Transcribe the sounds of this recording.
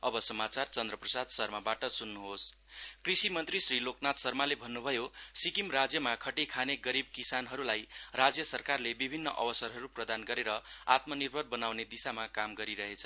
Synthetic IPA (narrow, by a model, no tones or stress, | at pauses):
ʌbʌsʌmat͡sart͡sʌnd̪rʌprʌsad̪sʌrmabaʈʌsunːuɦos | krisimʌnt̪risriloknat̪sʌrmalebʱʌnːubʱʌjosikimrad͡zjʌmakʰʌʈikʰaneɡʌɾib̚kisanɦʌɾulajrad͡zjʌsʌrkarlebibʱinːʌ̰ʔʌ̰bʌsʌrɦʌɾuprʌd̪anɡʌɾeɾʌa̰t̪mʌnirbʱʌrbʌnawned̪isamakamɡʌɾiɾʌɦet͡sʰʌ